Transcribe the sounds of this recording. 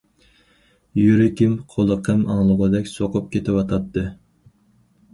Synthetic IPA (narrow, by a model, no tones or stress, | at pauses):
jyɾɪkʲimqʰolˠəqʰəmɑŋlˠəʁəd̪ɛkʲsoqʰʊp̚kʲet̪ʰɪwɑt̪ʰɑt̪ʰːɨ